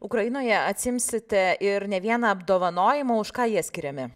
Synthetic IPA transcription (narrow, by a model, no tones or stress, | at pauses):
ʊkɾɐjɪnoːjɛɐt̪ʲsʲɪɪmʲsʲɪt̪ʲɛʔɪɾnʲɛʋʲiɛnɐɐbd̪oːʋɐnoːjɪmoːʊʃkɑːjiɛsʲkʲɪɾʲɛmʲɪ